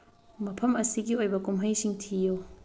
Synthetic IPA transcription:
mɐpʰɐmɐsiɡiojbɐkumɦɐjsiŋtʰijo

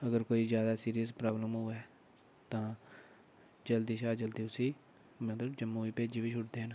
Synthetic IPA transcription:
əɡəɾkoːiːzjaːd̪aːsiːɾijəspɾaːbləmɦʊɛː | t̪ãː | d͡ʒəld̪iːʃaːd͡ʒəld̪iːʊsĩː | mət̪ləbd͡ʒəmːuːiːpeːd͡ʒiːbiːt͡ʃʰʊʈd̪eːɦən

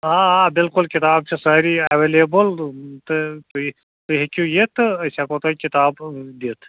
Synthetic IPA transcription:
ɦãːabɪlkʊlkit̪aːb̚t͡ʃʰisɐːɾiɐʋeːleːbəlt̪ɨt̪ | t̪uɦekujet̪ʰɐsʲakoːt̪akit̪aːbd̪it̪ʰ

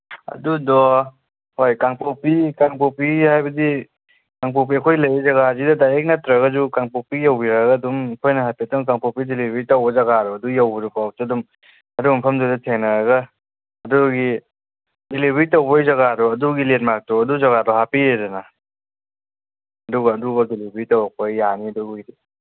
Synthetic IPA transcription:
ɐ̰dudɔ | hojkaŋpopikaŋpopihajbɐdi | kaŋpop̬iɐkʰojlɐjzɐɡahazidɐdajɾek̚natɾaɡɐzukaŋpopijawbiɾaɡadumkʰojnɐɦapitɔŋkaŋpopidelibɾitawbɐzaɡaɾɔɐdujawbiɾupawk̚tɔdum | ɐdubɐmpʰɐmzadɐtʰeŋnɐɾaɡaː | duɡi | delibɾitɐwbɐjzɐɣaɾɔɐduɡilet̚mak̚tɔɐduzaɣadɔhapieɾana | ɐduɡɐːdubɐdelibɾitowk̚pɐjːaniɐdubɡidi

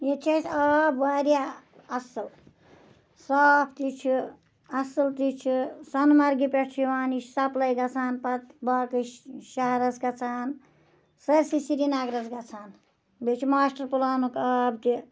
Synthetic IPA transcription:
jet͡ʃʰɐsabʋaːɾja | ɐsɨl | saːpʰt̪it͡ʃʰi | ɐsɨlt̪it͡ʃʰisɐnmɐɾɡipeʈt͡ʃʰiʋaːnisɐplɐjɡɐt͡sʰaːnpɐt̪baːkɨʃaɦɾɐsɡɐt͡sʰaːn | sɐɾsisiɾinaːɡɾɐzɡɐt͡sʰaːn | bet͡ʃʰimaːsʈɐɾpulaːnukɐbt̪i

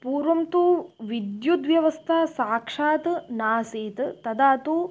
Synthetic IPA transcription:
puːɾʋɐmt̪uʋid̪jut̪ʋjɐʋɐst̪ʰaːsaːkʂaːt̪naːseːt̪t̪ɐd̪aːt̪uː

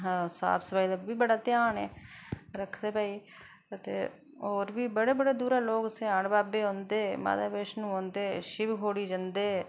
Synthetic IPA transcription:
sa̰ːbsəbaːiːd̪aːbiːbəɽaːt̪jaːneːɾəkʰd̪eːpaːiː | ət̪ḛː | oːɾʋiːbəɽeːbəɽeːd̪uːɾaːloːksɪaːɳbaːbeːõːnd̪eːma̰ːd̪aːbeʃnũːõːnd̪eːʃɪʋkoːɽiːd͡ʒənd̪eː

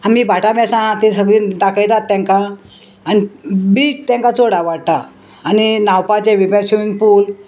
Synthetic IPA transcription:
am̤iːbʱaʈabɛsãt̪esəɡɭĩːd̪akʰəjt̪at̪ːãŋka | anibiːt͡st̪jãŋkat͡soɽaʋaɽ̚t̪aː | ninawpat͡ɕeʋibãɕuiŋɡpuːl

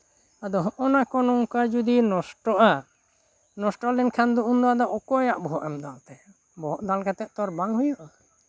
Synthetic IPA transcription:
ad̪ɔɦɔʔɔnakɔnɔŋkad͡ʒud̪inɔsʈɔʔa | nɔsʈɔlɛnkʰand̪uʔund̪ɔad̪ɔɔkɔjaʔbɔɦɔʔɛmd̪alt̪ɛ | bɔɦɔʔd̪alkʰɛt̪ɛʔt̪ɔɾbaŋɦujɔʔa

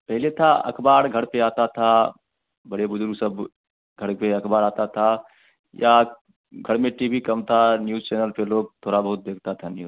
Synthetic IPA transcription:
pɛɦɪlet̪ʰaɐ̰kʰbaːɾɡʱɐɽpeaːt̪at̪ʰa | bəɽebʊd͡ʒʊɾɡsəb | ɡʱəɽpeɐkʰbaːɾaːt̪at̪ʰa | jʔa | ɡʱəɽmẽʈiːbʱikɐmt̪ʰanjuːzt͡ʃɛːnəlpeloːɡ̚t̪ʰoːɽabəɦʊt̪̚d̪eːk̚ʰt̪at̪ʰanjuː

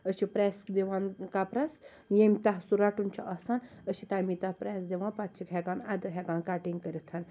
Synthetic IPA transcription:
əʃipɾesd̪eʋankapɾɐs | jemʲt̪aɦsuɾaʈunt͡ʃʰiʔɐːsan | əsit̪amit̪ahpɾesd̪eʋãnpat̪̚t͡ʃʰikɦɛɡaːnad̪ɐɦʲeɡaːnkaːʈiŋɡkəɾʲit̪ʰan

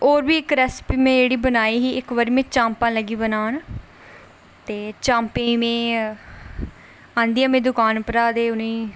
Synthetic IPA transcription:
oːɾbiːɪkɾɛːspiːmẽːd͡ʒeːɽiːbənaːiːɦiːʔɪkʋəɾiːmẽːt͡ʃãːmpãːləɡiːbənaːn | t̪eːt͡ʃãːmpẽːimẽː | ãːnd̪ijãːmẽːd̪ʊkaːnpɾaːd̪eːʊnĩː

